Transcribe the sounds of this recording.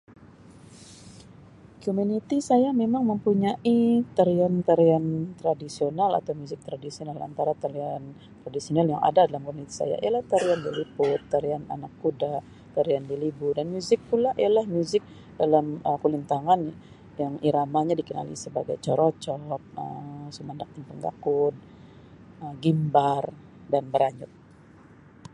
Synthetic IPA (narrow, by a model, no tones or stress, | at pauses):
komunit̪isajamemaŋməmpuɲaʔit̪aɾiant̪aɾiant̪ɾadisionala̰t̪awmuzɪk̚t̪ɾadisionala̰nt̪aɾat̪aɾian | t̪ɾadisionalja̰ŋa̰dadalamkɔmunit̪i̥sa̰ja̰ʔḭjalaht̪aɾiandilipʊt̪ːaɾiana̰nakːuda | t̪aɾiandilibudanmuzɪk̚pulaʔḭjalahmjuzɪk̚ | dalaməkulint̪aŋan | jaŋiɾamaɲadikəna̰lḭsəbaɡajt͡ʃɔɾɔt͡ʃɔp̚ə̰sumandak̚t̪ɪŋpəŋɡa̰kud̪̚ | əɡimbar | danbəɾaɲʊt̪̚